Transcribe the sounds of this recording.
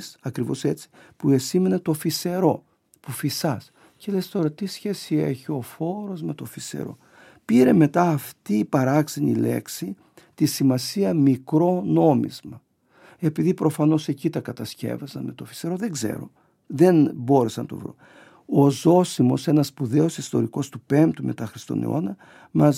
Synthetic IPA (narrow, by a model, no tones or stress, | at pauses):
sɐkɾivo̞se̞t͡si̥pue̞sime̞net̪o̞fise̞ɾo̞ | pufisɐs | ce̞lest̪o̞ɾɐt̪isçe̞sie̞̰çio̞fo̞ɾo̞zme̞t̪o̞fisḛɾo̞̰ | piɾeme̞t̪ɐːft̪iːpɐɾɐksinḭle̞̰ksi | t̪isimɐsiɐmikɾo̞no̞mḭzmɐ | e̞piðipɾo̞fɐno̞se̞cit̪ɐkɐt̪ɐsce̞̰vɐzɐnme̞t̪o̞fi̥seɾo̞ðeɡze̞̰ɾo̞̰ | ðe̞nbo̞ɾesɐnt̪o̞̰vɾṵ | ozo̞simo̞se̞nɐsːpuðe̞o̞sist̪o̞ɾiko̞st̪upe̞mpt̪ume̞̰t̪ɐxɾist̪o̞̰nḛo̞̰nɐ | mɐ